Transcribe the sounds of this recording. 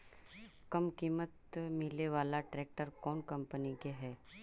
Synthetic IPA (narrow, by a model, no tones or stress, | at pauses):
kɐmkiːmət̪mɪleʋaːlaʈɾɛːk̚ʈəɾkɔːnkɐ̃mpənikeɦɛː